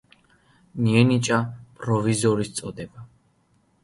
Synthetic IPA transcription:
niɛnit͡ʃʼapʼɾɔvizɔɾist̪sʼɔd̪ɛba

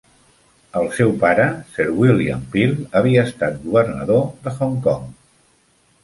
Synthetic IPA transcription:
əlˠsɛwpaɾəsɛɾwiliampilˠəβ̞iəːst̪at̪̚ɡuβəɾnəðoðəxɔŋkɔŋ

